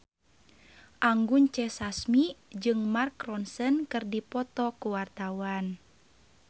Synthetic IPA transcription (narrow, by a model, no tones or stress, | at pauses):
ʔaŋɡuɲt͡ʃɛsasmid͡ʒɨŋmarkrɔnsənkɨrdipɔt̪ɔkuwart̪awan